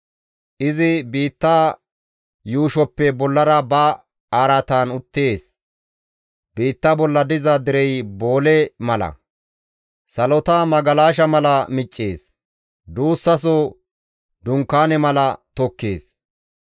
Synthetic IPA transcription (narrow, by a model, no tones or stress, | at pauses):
ʔɪzɪbiːt̪ːaː | juːʃɔpːɛbɔlːɐɾɐbɐ | aːɾɐt̪aːnʊt̪ːeːs | b̥iːt̪ːɐbɔlːɐd̪ɪzɐd̪ɪɾɛjbo̞ːlɛmɐlɐ̰ | sɐlɔt̪amɐɡɐlaːʃ̬ɐmɐlɐmɪt͡ʃʼːeːs | d̪uːsːɐs̬o | d̪ʊŋkːaːnɛmɐlɐt̪ɔkːḛːs